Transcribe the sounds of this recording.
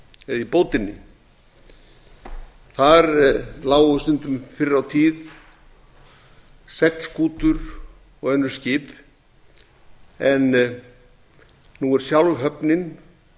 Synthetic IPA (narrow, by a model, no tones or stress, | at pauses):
ɛðipoːwt̪ɪnːɪ | θaɾlaːwɣʏʏst̪ʏnt̪ʏmfɪɾɪɾawt̪ʰiːð | sɛkskʰuːt̪ʏɾ | ɔɣɛnːʏɾ̥scɪːp | ɛn | uɛɾ̥sjawlvɦœpnɪn